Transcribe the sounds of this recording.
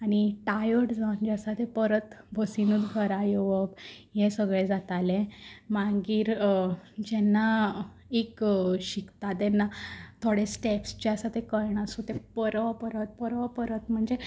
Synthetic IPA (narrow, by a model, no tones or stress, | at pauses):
aɽ̃iʈajəʈd͡zaund͡ʑasat̪epəɾət̪bʱəsinud̪ɡʱəɾajoʋəkjẽsəɡɭed͡zat̪alẽmãŋɡiːɾ | d͡ʑɛnːa | ekɕikt̪at̪ɛnːat̪ʰoɽesʈepst͡ɕeasat̪ekəɾɳ̃asut̪epəɾʋapəɾət̪̚pəɾʋapəɾət̪m̤əɳd͡ze